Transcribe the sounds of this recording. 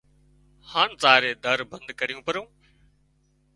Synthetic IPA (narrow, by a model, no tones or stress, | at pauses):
haːnt͡saːɾeːd̪əɾbə̃nd̪kəɾijũːpəɾõː